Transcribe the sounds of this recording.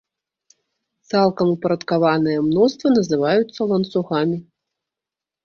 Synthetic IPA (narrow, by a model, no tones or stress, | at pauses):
t̪salˠkɐmupɐɾɐt̪kavanɨjɛmnɔst̪vɐnɐzɨvajut̪sːɐlˠɐnt̪suɣamʲi